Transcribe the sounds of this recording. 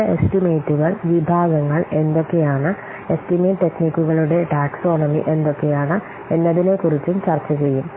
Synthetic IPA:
estime̞ːʈːuɣɐɭʋibʱaːɡɐŋːɐɭe̞nd̪o̞kːe̞jaːɳɨ | e̞stimeːʈːe̞knikʲːuɣɐɭuɽe̞ʈaːkso̞ːɳɐmḭʔe̞nd̪o̞kːe̞jaːɳɨ | e̞nːɐðine̞kurit͡ɕːumt͡ɕɐrt͡ɕːɐt͡ɕe̞jːum

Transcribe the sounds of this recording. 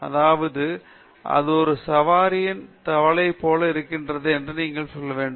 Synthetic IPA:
ɐ̰ðaːʋɐðɯ | ʔɐ̰ðɯɔɾɯsɐʋaːɾɪjɐnt̪ɐʋɐlɐɪpːoːlɐɪɾɯkːɪndrɐðɯɛndrɯniːŋɡɐɭsɔlːɐʋeːɳɖɯ

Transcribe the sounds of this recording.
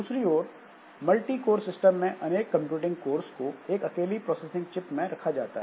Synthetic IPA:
d̪uːsɾiɔːɾ | mɐlʈikoːɾsɪsʈəmːẽʔɐneːkːɐ̃mpjuːʈɪ̃ŋɡkoːɾskoeːkɐkeːlipɾɔːseːsɪ̃ŋɡt͡ʃɪpmẽɾɐkʰad͡ʒaːt̪a̰ɦɛː

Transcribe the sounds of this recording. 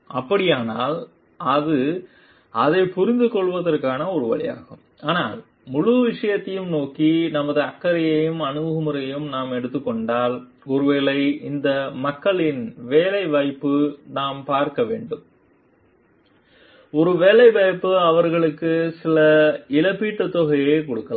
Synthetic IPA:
ʔɐpːɐɽɪjaːnaːl | ɐðɯ | ɐðɐɪpʊɾɪnd̪ɯkɔɭʋɐðɐrkːaːnɐɔɾɯʋɐ̰ɭɪja̰ːɣɯm | ʔaːnaːl | mʊɻʊʋɪʂɐjɐt̪ːɐjɯmnoːkinɐmɐðɯɐkːɐɾɐjɐjɯmɐnɯɐɣɯmɯɾɐjjɯmnaːmɛɽɯt̪ːɯkːɔɳɖaːl | ɔɾɯʋeːlɐɪɪnd̪ɐmɐkːɐɭɪnʋeːlɐɪʋɐjpːɯnaːmpaːɾkɐʋeːɳɖɯm | ɔɾɯʋeːlɐɪʋɐjpːɯɐʋɐɾɣɐɭɯkːɯsɪlɐɪlɐpːiːʈːɐt̪ːɔɣɐjeɪkɔɽɯkːɐla

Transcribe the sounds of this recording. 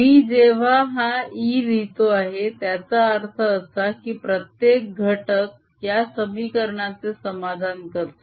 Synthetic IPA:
iːd͡zeʋ̤aɦãiːd̪it̪oaɦet̪jat͡saːɾt̪ʰəːsakiːpɾət̪jek̚ɡʱəʈək̚ | jasəmikəɾɳat͡sesəmad̪ʱankəɾt̪o

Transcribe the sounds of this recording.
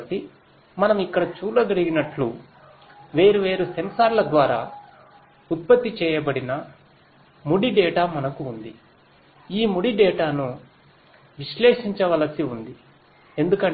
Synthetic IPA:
si | mɐnɐmikːɐɽɐt͡ʃuːlɐɡɐɽiɡinɐʈlu | ʋe̞ːɾuʋe̞ːɾusɐmsaːɾlɐd̪ʋaːɾa̰ː | ut̪̚pɐt̪ːit͡ʃɛːjɐbɐɽinɐ | muɽiɖɛːʈaːmɐnɐkuːnd̪i | iːmuɽiɖɛːʈaːnu | ʋiʃlɛːʂiɲt͡ʃɐʋɐlɐsiund̪i | e̞nd̪ukɐɳ

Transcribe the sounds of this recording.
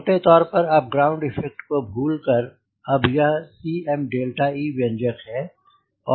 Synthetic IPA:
ʈet̪ɔːɾpɐɾɐp̚ɡɾaːʊ̃ɳɖɪfʰɛk̚ʈkobʱuːlkəɾ | ɐbjɐɦsiːɛmɖeːlʈaiːbɛ̃nd͡ʒəkɦɛː | ɔː

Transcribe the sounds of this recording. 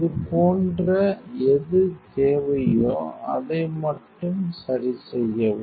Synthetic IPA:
ɐðɯpoːndrɐɛðɯt̪eːʋɐjo̰ːɐ̰ðɐɪmɐʈːɯmsɐɾisɛjːɐʋɯ

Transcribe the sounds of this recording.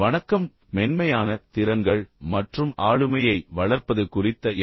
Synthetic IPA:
ʋɐɳɐkːɐmː | ɛnmɐjaːnɐt̪ɪɾɐnɡɐɭmɐʈrɯmʔaːɭɯmɐjɐɪʋɐɭɐɾpɐðɯkʊrɪt̪ːɐ

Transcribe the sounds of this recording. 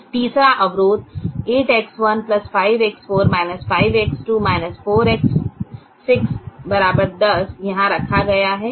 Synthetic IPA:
t̪iːsɾaʔɐʋɾoːt̪̚eːʈɛksʋɐnplɐsfaːɪʋɛksfoːɾmaːɪnəsfaːɪʋeksʈuːmaːɪnəsfoːɾɛksː | ɪksbɐɾaːbəɾd̪ɐsjɐɦãɾɐkʰaɡɐjaɦɛː

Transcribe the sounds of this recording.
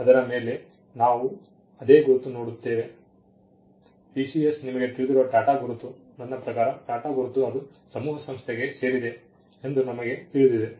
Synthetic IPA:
ɐd̪ɐɾɐme̞ːle̞ | naːʋu | ɐd̪e̞ːɡuɾut̪ːuno̞ːɽut̪ːe̞ːʋe̞ | piːsiesnimɐɡe̞t̪iɾud̪iɾuʋɐɖaːʈaɡuɾut̪ːu | nɐnːɐpɾɐkaːɾɐɖaːʈaːɡuɾut̪ːuɐd̪u | sɐmuːɦɐsɐmst̪ʰeɡe̞se̞ːɾid̪e̞ | end̪unɐmɐɡe̞t̪iɾud̪id̪e

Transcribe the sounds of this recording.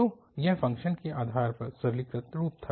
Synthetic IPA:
o | jɛɦfɐ̃ŋkʃənkeʔaːd̪ʱaːɾpɐɾsɐɾlɪkɾət̪ɾuːp̚t̪ʰa

